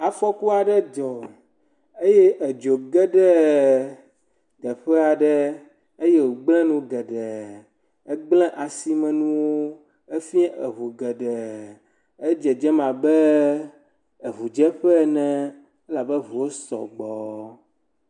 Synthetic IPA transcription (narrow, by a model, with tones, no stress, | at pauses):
a˨fɔ˦ku˦a˨ɖɛ˦d͡ʒɔ˨ | e˦jɛ˦ʔe˨d͡ʒo˨ɡɛ˦ɖɛ˦ | ɡɛ˨ɸɛ˦a˨ɖɛ˦ | e˦je˦˨wo˨ɡ͡blɛ̃˦nũ˨ɡɛ˨ɖɛ˨ | e˦ɡ͡blɛ̃˦ʔa˨si˦mɛ̃˨nũ˦wo˦ | e˦fi˦ɛ˦ʔe˨ɦu˨ɡɛ˨ɖɛ˨ | e˦d͡ʒɛ˨d͡ʒɛ˦mã˨bɛ˦ | e˨ɦu˨d͡ʒɛ˦ɸɛ˦˨nɛ̃˦ | e˦la˨bɛ˦vu˨wo˦sɔ̰˨ɡ͡bɔ˨